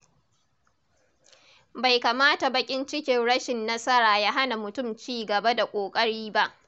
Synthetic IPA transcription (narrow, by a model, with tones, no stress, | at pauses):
ba˨jka˨maː˦ta˨bɐ˨kʲʼɪ˦nt͡ʃɪ˦kʲɪ˨nɽɐ˦ʃɪ˨nːɐ˦sɐ˦ɾaː˨ja˦ɦa˦na˨mʊ˨tʊ˦˨mt͡ʃiː˦˨ɡɐ˨ba˦da˨kʷʼoː˨kʼɐ˦ɽiː˦ba˦ʔ